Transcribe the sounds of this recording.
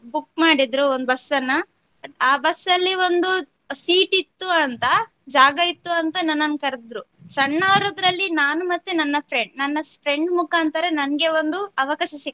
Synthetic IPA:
bukmaːɽid̪ɾuond̪ubɐsːɐnːɐ | aːbɐsːɐlːio̞nd̪u | siːʈit̪ːuɐnt̪ɐ | d͡ʒaːɡɐit̪ːuɐnt̪ɐnɐnːɐnkɐɾd̪ɾusɐɳːaːɾoːd̪ɾɐlːinaːnumɐt̪ːunɐnːɐpʰɾe̞ɳɖnɐnːɐpʰɾe̞ɳɖmukaːnt̪aɾenɐnɐɡe̞o̞nd̪uɐʋɐkaːʃɐsi

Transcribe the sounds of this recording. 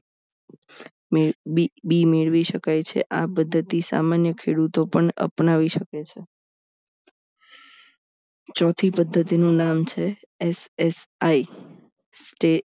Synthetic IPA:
mibimeɭʋiʃəkajt͡ʃʰḛʔapəd̪ʱːət̪isa̰manjəkʰeɽut̪opəɳə̰pnaʋiʃəket͡ʃʰe | t͡ʃɔt̪ʰipəd̪ʱːət̪inũnamt͡ʃʰe | esesai | sʈe

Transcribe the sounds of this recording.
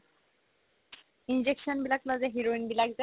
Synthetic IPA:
ind͡ʑekʃɔnbilaklɔd͡ʑeɦiɾoinbilakd͡ʑe

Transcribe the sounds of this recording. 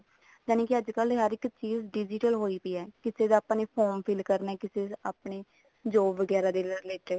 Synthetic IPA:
d͡ʒaːnẽːkɪəd͡ʒkəlɦəɾɪkt͡ʃiːzɖɪd͡ʒɪʈəlɦoːiːpiːɛːkɪseːd̪aːpãneːpʰoːmpʰɪlkəɾnɛːkɪseːaːpɳeː | d͡ʒoːʋəɡɛːɾaːd̪eːlɾɪleːʈə

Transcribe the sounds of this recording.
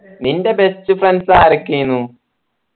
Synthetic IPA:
ninde̞best͡ɕːufrɐnsaːɾɐkːinːu

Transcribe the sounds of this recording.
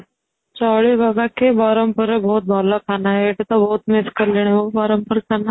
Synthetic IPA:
t͡ʃawɭibaɡakebaɾəmpəɾbʱout̪̚bʱalakʰanaeːʈ̪et̪abʱout̪mɪskəɾleɽ̃iʋobaɾəmpəɾkʰana

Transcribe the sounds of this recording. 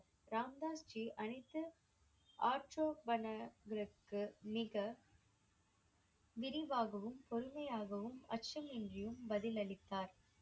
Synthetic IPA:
ɾaːmd̪aːst͡ʃiʔɐnɐɪt̪ːɯ | ʔaːʈɾoːʋɐnɐɡɾɐkːɯmɪɣɐ | ʋɪɾɪʋaːɣɐʋɯmpɔɾɯmɐjaːɣɐʋɯmɐ̰tt͡ʃɐmɪndrɪjɯmbɐðɪlɐɭɪt̪ːaːɾ

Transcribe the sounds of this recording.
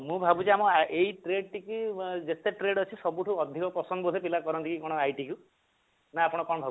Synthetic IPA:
mũbʱabut͡ʃiamɔʔejʈɾeɖʈikid͡ʒet̪eʈɾeɖɔt͡ʃʰisɔbuʈʰuɔd̪ʱikɔpɔsɔnd̪ɔbɔd̪ʱepilakɔɾɔnt̪ikikɔɽ̃ɔajʈiku | naapɔɽ̃ɔkɔɽ̃ɔbʱab

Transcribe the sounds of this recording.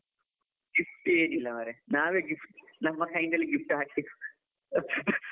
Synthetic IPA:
ɡifʈeːnilːɐmɐɾenaːʋeɡifʈnɐmːɐkʰɐjndɐlːeɡifʈɨɦaːkʰiu̥

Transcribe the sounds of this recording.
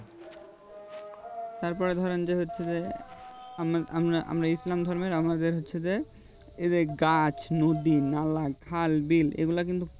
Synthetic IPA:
t̪aɾpɔɾed̪ʱɔɾend͡ʑeɦotːɕʰed͡ʑe | aa̰mɾaʔa̰mɾaislamd̪ʱɔɾmeɾamad̪eɾɦotːɕʰed͡ʑe | ed̪eɡat͡ɕnod̪inalaɡkʰalbilḛɡulak̬int̪u

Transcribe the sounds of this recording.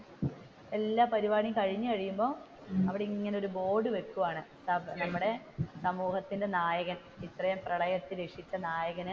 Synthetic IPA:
e̞lːaːpɐɾiʋaːɳikɐɻiɲːɨkɐɻijumbo̞ː | ɐʋiɽeiŋːɐneo̞ɾubo̞ːɖɨʋe̞kːuʋaːɳɨsɐnɐmːuɽe̞ | sɐmuːhɐt̪ːinde̞naːjɐɣɐn | it̪rɐjɐmprɐɭɐjɐt̪ːiɾekʂit͡ɕːɐnaːjɐɣɐnɨ

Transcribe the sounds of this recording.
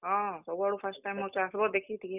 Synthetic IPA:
ɦɔ̃sɔbuaɽupʰəsʈʈajmɔt͡ʃasbɔd̪ekʰit̪ʰie

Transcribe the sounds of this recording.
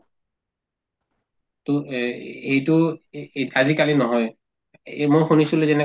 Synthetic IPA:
to | ejtʊ | azikalinɔɦɔj | mojxunisulezɛnɛ

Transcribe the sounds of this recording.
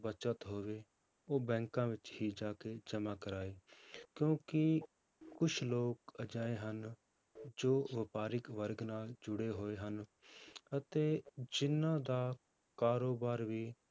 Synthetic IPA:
bət͡ʃət̪ɦoːʋeː | oːbɛ̃ːŋkãːʋɪt͡ʃɦiːd͡ʒaːkeːd͡ʒəmaːkəɾaːiːkjõːkɪ | kʊt͡ʃʰloːkəd͡ʒaːeːɦən | d͡ʒoːʋɪpaːɾɪkʋəɾɡnaːld͡ʒʊɽeːɦoːeːɦən | ət̪eːd͡ʒɪnãːd̪aː | kaːɾoːbaːɾʋiː

